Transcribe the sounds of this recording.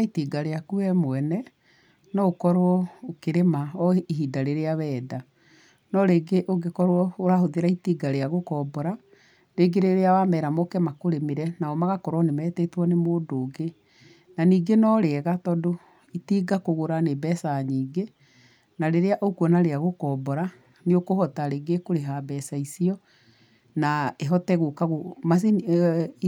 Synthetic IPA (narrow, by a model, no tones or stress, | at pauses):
itiːɡaɾeakuɛmwɛnɛ | nɔokɔɾwɔokeɾemaɔiɦidaɾeɾeawɛːða | nɔɾeːɡeʔoɡekɔɾwɔoɾaɦoðeɾaitiɡaɾeaɣokɔːbɔɾa | ɾeːɡeɾeɾeawamɛɾamɔkɛmakoɾemeɾɛnaɔmaɣakɔɾwɔnemɛːtɛtwɔnemoːdoɡe | naniːɡenɔɾeɣatɔdo | itiɡakoɣoɾanebɛsaɲiːɡe | naɾeɾeaʔokuɔnaɾeaɣokɔːbɔɾa | neokohɔtaɾeɡekoɾeɦabɛsaisiɔ | naeɦɔtɛɣokaɣomasi